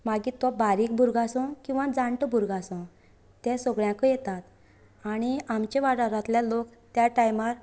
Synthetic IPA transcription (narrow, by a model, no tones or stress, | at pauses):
maɡit̪ʋɔbaɾiːk̚bʱuɾɡasɔ̃kĩw̃ʋãd͡zãɳʈəbʱuɾɡasɔ̃ | t̪ɛ̃sɔɡɭjãkəjɛt̪at̪ | aɽ̃iamt͡ɕeʋaɽaɾat̪ljalokt̪jaʈajmaɾ